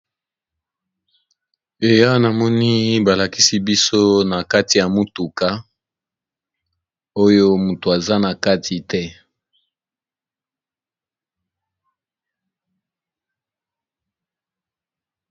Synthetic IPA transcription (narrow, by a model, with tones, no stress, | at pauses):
e˨ja˦na˨mɔ˦ni˦ba˨la˨ki˦si˦bi˦so˦na˨ka˦ti˨ja˨mu˦tu˨ka˦ | o˦jo˦mu˨to˨a˨za˦na˨ka˦tʰi˨tɛ˦